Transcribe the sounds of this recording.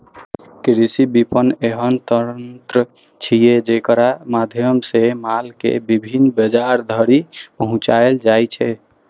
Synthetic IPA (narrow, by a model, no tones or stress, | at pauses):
kɾisibipənːeɦənt̪əɾənt̪ɾə | t͡ʃʰijed͡ʒekəɾamad̪ʱjəmsemalkḛbibʱinːbəd͡ʒaɾd̪ʱəɾipəɦũt͡ʃaeld͡ʒajt͡ʃʰɛ